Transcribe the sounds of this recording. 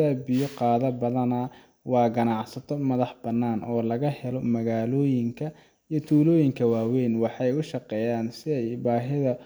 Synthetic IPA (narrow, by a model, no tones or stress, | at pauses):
aːbɪjɔqɑːðɐbɐðɐnɐ | wɑːɡɐnɑʕsɐt̪ʰɔmɐðɑħb̥ɐnːaːnʔɔːlɐɣɐhɛlɔmɐɣaːlɔːjɪŋkʰɐ | ijɞt̪ʰuːlɔːjɪŋkʰɐwaːwɛːnwɑħɑjʊʃɑqɛːjaːnsɪɛjbaːɦɪðɐ